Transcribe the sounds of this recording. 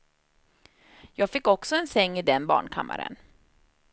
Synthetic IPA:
jɑːɡfɪkːɔksɔɛnsɛŋːɪd̪ɛnbɑ̰ːɳkʰa̰mːaɾə̰n

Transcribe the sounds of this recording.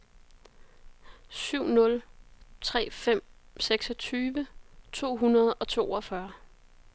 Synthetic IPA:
syʊ̰nɔ̽lt͡sʰʁɛ̰ːfem̰seɡ̥sɒ̽t͡sʰyːʋət͡sʰo̝̰ːɦunɐð̞̩ˠɒ̽t͡sʰo̝̰ːɒ̽fɶɐ

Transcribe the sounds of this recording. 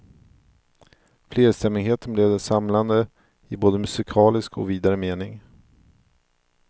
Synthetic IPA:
fleːɾst̪ɛmːɪɡɦeːt̪əɳbleːd̪ɛsamland̪ə | ɪboːd̪əmɵsɪkʰɑːlɪskɔ̰viːd̪aɾəmeːnɪŋ

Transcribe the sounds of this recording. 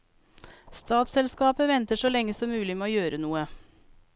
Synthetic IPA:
st̪ɑːt̪sɛlskɑːpəʋɛnt̪əʂoːlɛŋəsɔmmʉːlɪmeːoːjøːɾənuːə

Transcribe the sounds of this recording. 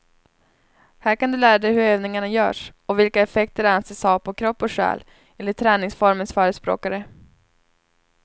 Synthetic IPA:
hæːɾkand̪ɵlæːɾad̪ɛjhɵɾøːvnɪŋaɳajœ̰ːʂɔvɪlkaɛfɛk̚t̪əɾanseːshɑpʰɔkʰɾɔpːɔʂɛ̰ːl | ɛlːət̪ʰɾɛːnɪŋsfɔɾmənsfœːɾəspɾo̰ːkaɾə

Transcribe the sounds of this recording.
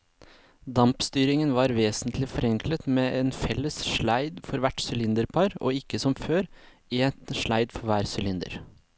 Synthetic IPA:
d̪ɑmpst̪yːɾɪŋənʋɑːɾʋeːsənt̪ʰlɪfɔɾɛŋkʰlət̪meːʔeːnfɛlːəsʃɭæɪd̪fɔɾʋæʈsʏlɪnd̪əɾpʰɑɾo̰ːɪkːəsɔmføːɾ | ɪt̪ʃɭæɪd̪fɔɾʋæːɾsʏlɪnd̪ə̰ɾ

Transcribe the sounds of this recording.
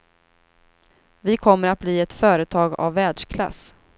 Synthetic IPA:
vɪkʰɔmːəɾat̪̚bliːɛt̪fœːɾət̪ʰɑːɡa̰vːɛːɖʂkʰla̰s

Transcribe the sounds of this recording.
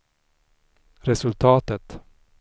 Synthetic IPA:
ɾɛsɵlt̪ʰɑːt̪ət̪

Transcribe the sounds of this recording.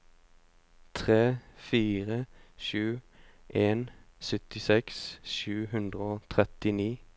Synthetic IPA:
t̪ʰʁeːfiːʁəʃʉːʔeːnsʏt̪ɪsɛksʃʉːhʉnd̪ʁəoːt̪ʰʁɛt̪ɪniː

